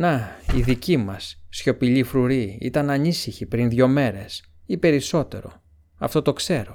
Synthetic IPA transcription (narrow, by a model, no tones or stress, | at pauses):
nɐiðicimɐsːço̞piʎifɾuɾiḭt̪ɐnɐnisiçipɾinðʝo̞me̞ɾe̞s | ipe̞ɾiso̞t̪e̞̰ɾo̞̰ | ɐft̪o̞t̪o̞kse̞ɾo